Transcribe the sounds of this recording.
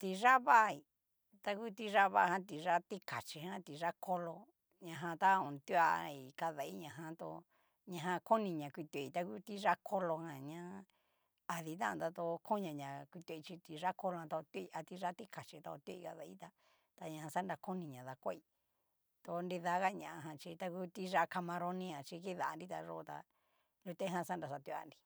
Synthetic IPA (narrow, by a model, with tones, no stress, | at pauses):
t̪i˧ʐa˦βa˦˨˧i˨ | t̪a˧ku˦t̪i˧ʐa˦βa˧˦˧hã˧˦t̪i˨ʐa˦t̪i˦ka˨t͡ʃi˧ɦã˦t̪i˨ʐa˦kʰo˦lo˧ | ɲã˧ɦã˧t̪a˦õ˨nt̪u˦a̰˧i˨ka˧ða˨i˦ɲã˧ɦã˧t̪o̰˧ | ɲã˧ɦã˧ko˦nĩ˧ɲã˨kʷi˧t̪u˧e˨i˧˨t̪a˧ku˦t̪i˦ʐa˦kʰo˦lo˧hã˧ɲã˧˦ | a˧ði˧t̪̬ã̰˦ã̰˧t̪a˧t̪o˧kʰo˦ɲã˧˨ɲã˨kʷi˧t̪u˧t͡ʃi˧t̪i˧ʐa˦ko˧lo˧ã˧t̪a˧o˧t̪u˦i˧ʔa˧t̪i˧ʐa˦t̪i˦kʰa˨t͡ʃi˧t̪a˧o˧t̪u˦i˧ka̰˧ða˧ḭ˦t̪a˧ | t̪a˧ɲã˧ã˧sa˦nda˧ko˦nĩ˧˨ɲã˨ða˧kʷo˦i˧ | t̪o˧ndi˧ða˧˦ɣa˦ɲã˨ʔã˧ɦã˧t͡ʃi˧t̪a˧ku˦t̪i˦ʐa˧˦ka˧mã˧ɾo˧nĩ˧ã˨t͡ʃi˧ki˦ða˨˧ndi˦t̪a˧ʐo˦˧t̪a̰˧ | lo˧t̪e˦ɦã˧sa˦nda˨sa˧t̪u˧a̰˧˨ndi˧